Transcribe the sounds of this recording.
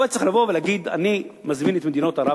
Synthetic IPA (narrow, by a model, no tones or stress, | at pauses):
et͡sexlavo̞velaɡid̪a̰nimazminet̪med̪inot̪aɾa